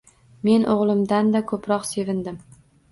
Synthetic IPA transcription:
me̞nʔoʁlˠɪmd̪and̪akʰɵpɾɒqse̞vɪnd̪ɪm

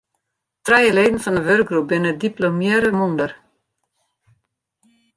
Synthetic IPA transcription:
trɛjəleːdn̩fɔndəʋørk̚ɡrup̚bɪnəədiplomjɪɾəmundər

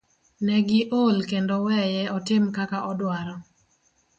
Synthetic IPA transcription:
nɛɡɪʔolkendowɛjɛɔtɪmkakaʔɔdwaɾɔ

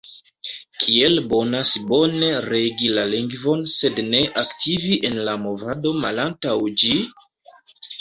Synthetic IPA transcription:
kʰielbo̞nasbo̞ne̞ɾe̞ɡilaliŋɡvo̞nse̞dne̞ʔaktʰiviʔe̞nlamo̞vado̞ma̰lantawd͡ʒi

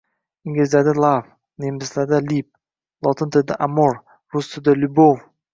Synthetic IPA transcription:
ɪŋɡʲɪzd̪ad̪alˠav | nemɪslad̪alip̚ | lˠɒt̪ʰɪnt̪ʰɪd̪ɪʔamoɾ | ɾʊst̪ʰɪd̪ɪlʊbow

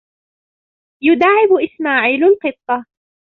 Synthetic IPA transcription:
jʊd̪aːʕɪbʔɪsmaːʕiːlalqɨt̪ˤːɑ

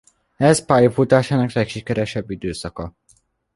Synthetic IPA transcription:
ɛzpaːjfut̪aːʃaːnɒklɛkʃikɛɾɛʃɛbːid̪øːsɒkɒ

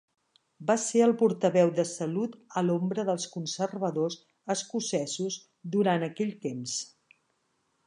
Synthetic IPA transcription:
baseəlˠpuɾt̪əβɛwðəsəlut̪əlombɾəðəlˠskunsərβəðoz | əskusɛzuz | d̪uɾanəkɛʎʲt̪ems

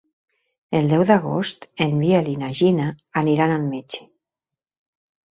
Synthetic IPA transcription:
eld̪ɛwðaɣo̰st̪emβialinaʒinaːniɾanalmet͡ʃe̥

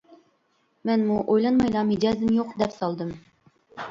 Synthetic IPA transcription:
mænmuʔojlˠɑnmɑjlˠɑmed̪ɑzɨmjoqd̪ɛpsɒlˠd̪ɤm

